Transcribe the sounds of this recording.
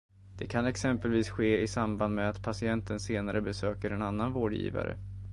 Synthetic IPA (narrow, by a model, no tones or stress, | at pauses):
d̪̥ɛkʰanɛksɛmpəlviːsɧeːɪsamband̪mɛat̪pʰasɪɛnt̪ənseːnaɾəbɛsøːkəɾɛnanːanvoːɖjḭːva̰ɾə̰